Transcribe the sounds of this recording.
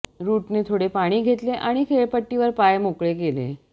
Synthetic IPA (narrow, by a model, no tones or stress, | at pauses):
ɾuʈnet̪ʰoɽepaɽ̃iːɡʱet̪leʔaɽ̃ikʰeɭpəʈːiʋəɾpajmokɭekelḛ